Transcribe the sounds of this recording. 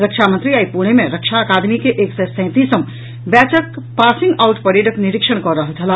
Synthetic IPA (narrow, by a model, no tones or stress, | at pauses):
ɾəkʃamənt̪ɾiaːipuɳ̃emẽɾəkʃaəkaːd̪mikeʔeːksesɛ̃ːt̪isəm | bɛːt͡ʃək | paːsɪ̃ŋɡaʊʈpɐɾeːɖəknɪɾɪkʃəɽkɔɾːəɦəlt̪ʰɐla